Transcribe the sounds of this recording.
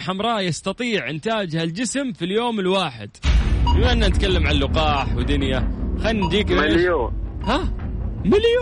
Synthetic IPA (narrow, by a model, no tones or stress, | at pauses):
ħamɾˤɑːjɑst̪ɑt̪ˤiːʕʔɪnt̪aːd͡ʒhald͡ʒɪsmfiljoːmɪlwaːħɪ̰d̪̥bɪmaʔɪnːanɪt̪̚kalːamʕanlʊqɑːħwɪd̪ʊnjaxanːd̪iːkljoːhamɪlj